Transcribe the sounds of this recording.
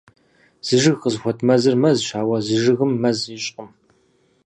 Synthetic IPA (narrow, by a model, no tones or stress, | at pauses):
z̥ɨʒɨɣqəzxʷɔtʰmɐzɨrmɐzʃaːwɐzɨʒɨɣɨmːɐzɪɕʼqəm